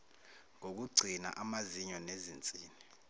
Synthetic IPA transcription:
ŋok̬uɡ͡ǀʱina̰ʔamaziɲɔnezint͡sʼiːni

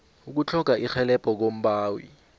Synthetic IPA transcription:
uk̬ut͡ɬʰɔkaʔixɛlɛpʼɔk̬om̩ɓaːwḭ

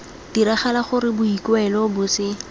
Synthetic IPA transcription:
d̥iɾaχalaχʊɾɪbʊikwɛlɔbʊsɪ

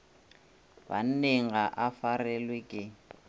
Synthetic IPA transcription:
ba̰n̩neŋaʔafarɛlwɪkʼɪ

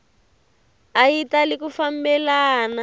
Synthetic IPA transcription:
ajitalikufambɛlaːna

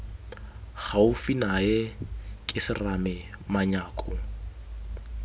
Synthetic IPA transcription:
ɣaufinajɛkʼɪsɪramɛ | maɲaːkʼʊ

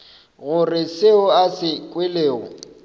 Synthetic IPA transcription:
ɣʊrɪsɪʊasɪkʼwɪleːʊ̰

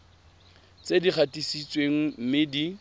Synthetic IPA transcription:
t͡sʼediχʰatisit͡sʼweŋ̩m̩mɪdi

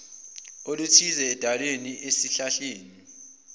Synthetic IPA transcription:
olutʰizɛːd̥ʱalweniesiɬaɬeːni

